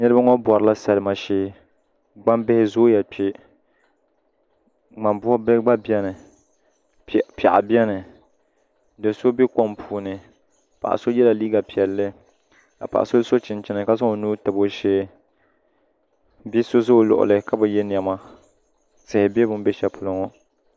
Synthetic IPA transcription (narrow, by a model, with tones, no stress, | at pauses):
nɨ˦ɾɨ˦ba˦ŋɔ˦bɔ˨ɾɨ˨la˦sa˨lɨ˨ma˨ʃeː˦ | ɡ͡ba˦mbɪ˦hɪ˦zo˦jɛ˨pe˦ | ma˨mbʊ˦ha˦bɡ͡ba˦bi˦ɛ˦nɨ˨ | pa̰˨ʔa˨bɛ˦nɨ˨ | dɨ˨so˦bi˦kɔ˦mpuː˨nɨ˨ | pa̰˨ʔa̰˨so˦jɛ˦la˨liː˦ɡa˨pi˨ɛ˨lːɨ˦ | a̰˨pa̰˨ʔa̰˨so˦so˦t͡ʃɪ˨nt͡ʃɪ˨nɨ˨ka˦zɔ˦o˨nu˦tɨ˨bo˦ʃeː˦ | bi˦so˦zo˦˨lʊ̰˨ʔʊ̰˨lɨ˨ka˦bɨ˨jɛ˦n˨ɛ˨ma˦ | sɨ˨hɪ˨bɛ˦bʊ˦m˦bɛ˦ʃɛ˦pʰʊ˨lo˦ŋɔ˦